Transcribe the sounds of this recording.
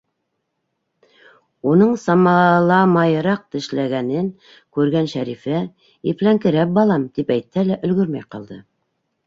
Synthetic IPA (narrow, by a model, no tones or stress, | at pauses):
unɤɴsɑmɑlˠɑmɑjɤ̆ɾɑq̚t̪ɘ̆ʃlæɡænɘn | kʉɾɡænʃæɾifæ | iplæŋkɘ̆ɾæp̚bɑlˠɑmt̪ipæjt̪̚hælæʔɵ̆lɡɵɾmæjqɑ̰lˠd̪ɤ